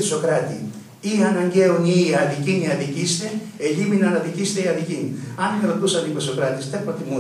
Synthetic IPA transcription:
sokɾat̪ḭ | iɐnɐɲɟeuniɐðiciniɐðicist̪e | eʎiminɐnɐðicist̪eiɐðiciniɐnenɾot̪usɐnibosokɾɐt̪est̪epot̪imu

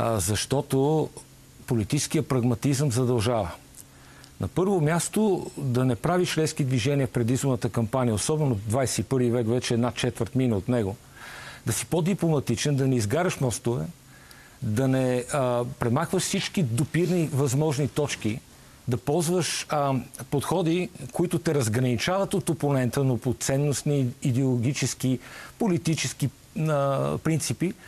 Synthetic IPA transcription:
zɐʃt̪ɔt̪o | polit̪it͡ʃɛ̥skijəpɾɐɡmɐt̪izəmzɐd̪ɐlˠʒavə | nɐpɤɾvomʲjast̪od̪ɐnɛpɾaviʃlɛskid̪viʒɛniəfpɾɛd̪izbonət̪əkɐmpanijəosɔbɛnod̪vajsɛipɤɾvivɛkvɛt͡ʃɛːd̪nat͡ʃɛt̪vəɾt̪minəot̪nɛɡo | d̪ɐsi̥pod̪iplˠomɐt̪it͡ʃɛnd̪ɐnɛizɡaɾəʃmɔst̪ʊvɛ | d̪ɐnɛpɾɛmaxvəʃsit͡ʃkid̪ʊpiɾnivɐzmɔʒnit̪ɔt͡ʃki | d̪ɐpɔlˠzvəʃ | pot̪xɔd̪ikʊit̪ʊt̪ɛɾɐzɡɾɐnit͡ʃavɐt̪ot̪oponɛnt̪ənopot̪sɛnːosniːd̪ɛolˠoɡ̟it͡ʃɛskipolit̪it͡ʃɛski | pɾint̪sipi

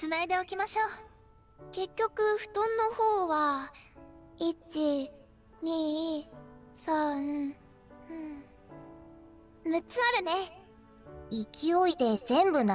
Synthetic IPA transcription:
t͡sɨnaid̪e̞okʲimaɕo̞ː | ke̞kʲːo̞kɯ̟ɸɯ̟̥t̪õ̞nːo̞ho̞ːβa | it͡ɕi | ɲ̟iː | sã | ɯ̟̃ɴ | mɯ̟t͡sɨaɾɯ̟ne̞ | ikʲʰio̞it̪e̞zẽ̞mbɯ̟n

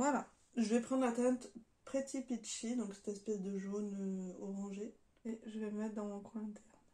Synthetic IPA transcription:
vwala | ʒəvɛpχɑ̃d̪ʁlat̪ɛ̃ɛ̃t̪ | pχet̪ʰipitʃid̪ɔ̃ksɛ̥t̪ɛspɛsd̪əʒonøɔʁɑ̃ʒe | eʒəvɛməmɛt̪χd̪ɑ̃mɔ̃kwɛ̃ɛ̃t̪ʰɛʁn

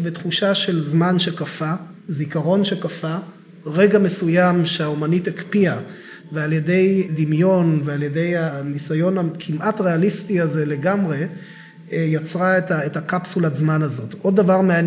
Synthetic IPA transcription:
vet̪χuʃaʃe̞lzmanʃekafazikaʁo̞nʃekafa | ʁe̞ɡame̞sujamʃeaomanithekpia | vealje̞de̞jdimjo̞nvealje̞de̞janisajo̞nakʰimʔatʁe̞alistiaze̞le̞ɡamʁe̞ | jat͡sʁaetaethakapsulazmanazo̞tʔo̞dːavaʁmea

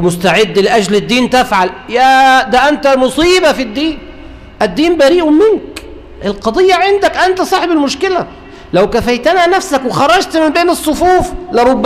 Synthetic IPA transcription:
mʊst̪aʕɪd̪ːlɪʔæd͡ʒlɪd̪ːiːnt̪æfʕaljæd̪æʔænt̪æmʊsˤiːbafid̪ːiːn | ʔæd̪ːiːmbæɾiːʔʊmɪnk | ʔɪlqɑd̪ˤɨjːɑʕɪnd̪ækʔant̪sˤɑːħebɪlmʊʃkɪlæ | læwkæfæjt̪ɪnænæfsækwɪxɑɾˤːɑd͡ʒt̪mɪmbeːnɨsˤːofuːflɪɾˤobː

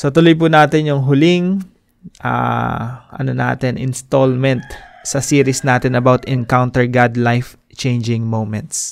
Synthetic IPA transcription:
sot̪ʊlojp̬unaːt̪ɪnjʊŋɦʊlɪŋ | ʔa̰ | ʔɐ̰nona̰ːt̪ɛnʔɪ̰nst̪olmɛnt̪̚sɐsiːɾɪsnaːt̪ɪnɐbawt̪ɛnkawnt̪ɛɹɡad̪lajf | t͡ʃejnd͡ʒɪŋmowmɛ̃nt̪s

